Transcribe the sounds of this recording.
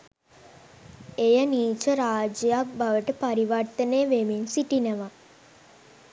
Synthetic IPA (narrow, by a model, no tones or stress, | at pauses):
ejəniːt͡ʃəɾaːd͡ʒjak̚baʋəʈəpaɾiʋart̪əneːʋeminsiʈinəʋa